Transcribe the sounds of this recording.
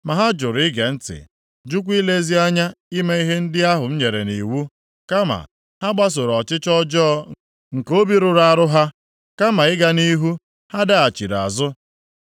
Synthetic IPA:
ma˨ɦa˦d͡ʒʊ˨ɾɪ˦ɡe˨n̩˦tɪ̰˨ | d͡ʒu˦k̬ʷi˦le˦zi˦a˦ɲa˦i˦me˦i˦ɦe˦n̩˦dɪ˦a˦ɦʊ˨n̩˦ɲe˨ɾe˨ni˨wu˦ | ka˦ma̰˨ | ha˦ɡ͡ba˦s̬o˨ɾɔ˨t͡ʃɪ˦t͡ʃɔ˦d͡ʒɔː˦ | ŋ̩˨ko˦bi˦ɾʊ˨ɾa˦˨ɾʊ˦ɦa˦ | ka˦ma˨ɪ˦ɡa˦ni˦ɦu˦ | ha˦da˦a˨t͡ʃi˨ɾa̰˨zʊ˦

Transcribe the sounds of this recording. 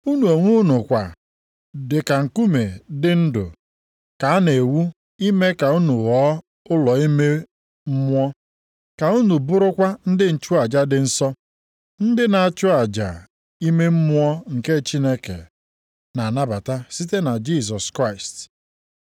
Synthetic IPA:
u˦nu˨o˨ŋʷu˦nʊ˨kʷa˨ | dɪ˨ka˨ŋ̩˨ku˦me˨dɪ˦n̩˦dʊ̰˨ | ka˨a˦ne˨wu˦ | i˦me˦ka˨u˦nu˨wɔ˦ | ʊ˦lɔ˨i˦me˦ | m̩˦mʷ˦ɔ˦ | ka˨u˦nu˨bʊ˦ɾʊ˦kʷa˦n̩˦dɪ˦n̩˨t͡ʃʊ˦a˨d͡ʒa˦dɪ˨n̩˦sɔ˦ | n̩˦dɪ˦na˨a˨t͡ʃʊ˦a˨d͡ʒa̰˨ | i˦me˦m̩˦mʷ˦ɔ˦ŋ̩˨ke˦t͡ʃi˦ne˦kḛ˨ | na˨na˦ba˨ta˦si˦te˦na˨d͡ʒi˦˨s̬ɔ˨skɾa˦˨ɪ˨st

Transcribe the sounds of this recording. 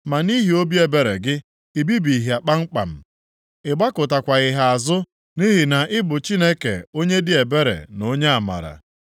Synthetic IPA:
ma˨ni˦ɦi˨o˦bi˦e˨be˨ɾḛ˨ɡɪ˦ | i˨bi˦bi˨ɦi˨a˨k͡pa˦ŋ͡m̩˦k͡pa̰˨m̩˨ | ɪ˨ɡ͡ba˦kʊ˨ta˨kʷa˨ɣɪ˨ɦa˨a˨zʊ˦ | ni˦ɦi˨na˨ʔɪ˦bʊ˨t͡ʃi˦ne˦kḛ˨o˦ɲe˦dɪ˦e˨be˦ɾḛ˨no˦ɲe˦a˨ma̰˨ɾa̰˨

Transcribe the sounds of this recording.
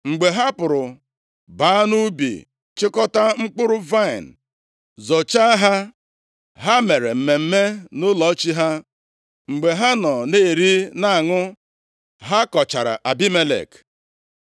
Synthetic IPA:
ŋ͡m̩˨ɡ͡be˨ɦa˦pʊ˨ɾʊ˨ | baː˨˦nu˦bḭ˨ | t͡ʃɪ˦kɔ˦ta˦ŋ͡m̩˦k͡pʊ˦ɾʊ˦va˦ɪ˨n̩˨ | zo˨t͡ʃa˦ɦa˦ | ɦa˦me˨ɾe˨m̩˨me˨m̩˦me˦nʊ˦lɔ˨˦t͡ʃi˦ɦa˦ | ŋ͡m̩˨ɡ͡be˨ɦa˦nɔ˨ne˦˨ɾi˦na˦a˨ŋʊ˦ | ɦa˦kɔ˨t͡ʃa̰˨ɾa̰˨ʔa˨bi˦me˦lḛ˨k

